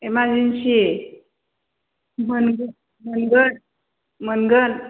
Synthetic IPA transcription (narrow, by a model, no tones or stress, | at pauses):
emad͡ʑinɕie | mənɡə | mənɡən | mənɡən